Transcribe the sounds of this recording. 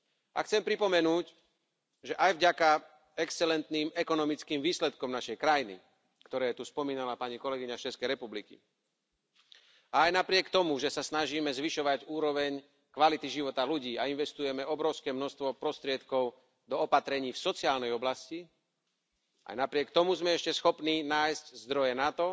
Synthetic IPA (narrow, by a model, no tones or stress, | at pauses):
ʔa̰xt͡sɛmpɾipɔmɛnuːc | ʒɛʔajvɟaka | ɛkst͡sɛlɛnt̪niːmɛkɔnɔmit͡skiːmʋiːslɛt̪kɔmnaʃɛjkɾajinḭ | kt̪ɔɾɛːt̪uspɔmiːnalapaɲikɔlɛɡiɲast͡ʃɛskɛjɾɛpublikḭ | aːjnapɾɪɛkt̪ɔmuʒɛsasnaʒiːmɛzʋiʃɔʋaɟuːɾɔʋɛɲ | kʋalit̪iʒiʋɔt̪aluɟiːainʋɛst̪ujɛmɛɔbɾɔʊskɛːmnɔst̪ʋɔpɾɔst̪ɾɪɛt̪kɔʊ | d̪ɔɔpat̪ɾɛɲiːfsɔt͡siaːlnɛjɔblasci | a̰jnapɾɪɛkt̪ɔmuzmɛɛʃcɛsxɔpniːnaːjsczd̪ɾɔjɛnat̪ɔ